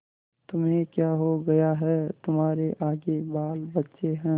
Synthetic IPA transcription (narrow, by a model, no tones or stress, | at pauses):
t̪ʊmɦẽkjaːɦoɡɐjaɦɛt̪ʊmɦaːɾeʔaːɡebaːlbɐtːʃeɦɛ̃ː